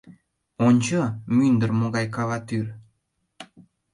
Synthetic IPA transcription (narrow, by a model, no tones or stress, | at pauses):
onʲt͡ɕɤmynd̪ərmoɣɑjkɑlɑt̪yr